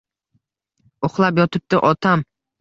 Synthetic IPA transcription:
oχlˠapjɒt̪ʰɪp̚t̪ɪʔɒt̪ʰam

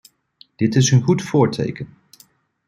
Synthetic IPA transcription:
d̥ɪtɪsənχutfʊːɹtʰḛjkən

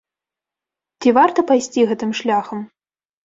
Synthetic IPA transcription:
t͡sʲivart̪ɐpajsʲt͡sʲiɣɛt̪ɨmʂlʲaxɐm

